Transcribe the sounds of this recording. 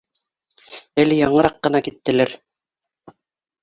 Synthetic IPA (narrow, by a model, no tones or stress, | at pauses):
ælɘjɑɴɤ̆ɾɑqːɤ̆nɑkit̪ːɘ̆læɾ